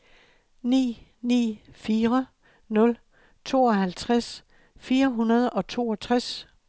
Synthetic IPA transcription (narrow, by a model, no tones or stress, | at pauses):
nḭːnḭːfiːʁɐ | nɔ̽l | t͡sʰo̝̰ːɒ̽hælt͡sʰʁas | fiːɐɦunɐð̞ˠɒ̽t͡sʰo̝̰ːɒ̽t͡sʰʁas